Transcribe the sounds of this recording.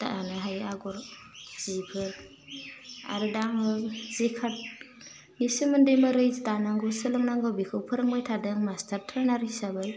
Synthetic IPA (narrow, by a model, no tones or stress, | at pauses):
ta̰ʔanɯɦajaɡɔɾ | z̥ipʰɯɾ | a̰ɾɯdaŋɯz̥ekʰat̚ | nisɯmɯndɯjmɯɾɯjztanaŋɡɔsɯlɯŋnaŋɡawbikʰɯwpʰɯɾɯŋbajtʰadɯŋmastaɾtʰɾanaɾisabɯj